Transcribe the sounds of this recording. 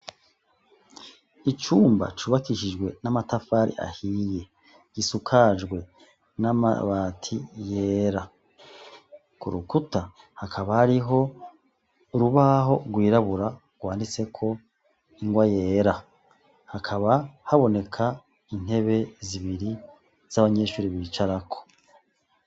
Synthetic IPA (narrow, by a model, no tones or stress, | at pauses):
it͡ʃuːmba̰t͡ʃuːβakiʃid͡ʒɡwe̞namatafaːɾḭʔa̰hije̞ | ɡ̥isukʰad͡ʒɡwe̞ | nama̰βaːtʰije̞ːɾa | kuɾukuta | hakʰaβahaɾiɦo̞ | ɾuβaɦo̞ɡwiːɾaβuɾa | ɡ̥waːndit͡se̞kʰo̞ | iŋɡwaje̞ːɾa | hakʰaβahaβo̞ne̞kʰa | in̥e̞βe̞ziβiɾi | z̥aβaɲe̞ːʃuːɾiβit͡ʃaɾakʰo̥